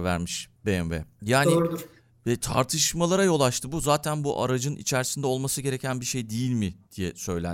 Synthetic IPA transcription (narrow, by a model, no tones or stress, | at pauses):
væ̰ɾmiʃbeɛmvɛ̰jaːni | vɛt̪ʰa̰ɾt̪ʰɯʃmalˠaɾajo̞lˠat͡ʃt̪ʰɯbuzaːt̪ʰænbṵʔa̰ɾad͡ʒɯnʔḭt͡ʃʰæɾsind̪ɛo̞lˠmasɯɟe̞ɾecʰænbiʃe̞jd̪ejilʲmɪd̪̥ijɛsø̞jlʲæ̰n